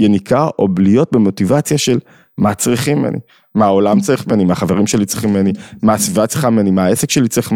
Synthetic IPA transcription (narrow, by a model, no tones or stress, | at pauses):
jenikʰaʔo̞blio̞t̚bemo̞tivat͡sjaʃe̞l | mat͡sʁiχimḛnḭ | maːolamt͡saʁiχmenimaχaveʁimʃelit͡sʁiχimenimaːsvivat͡sʁi̥χamimenimaːesekʃelit͡sʁiχm